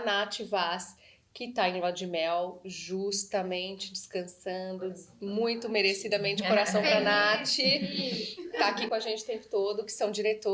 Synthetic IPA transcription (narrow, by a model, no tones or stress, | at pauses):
nat͡ʃɪvas | kɪt̪aẽlad̪d͡ʒɪmɛwʒust̪ɐmẽnt͡ʃɪd͡ʒɪskɐ̃sɐ̃d̪ʊmũj̃t̪ʊmeɾesid̪ɐmẽnt͡ʃɪkoɾasɐ̃w̃pɾanat͡ʃɪ | t̪akikõaʒẽnt͡ʃɪʊ̥t̪ẽmpʊ̥t̪od̪ʊkɪ̥sɐ̃w̃d͡ʒiɾet̪o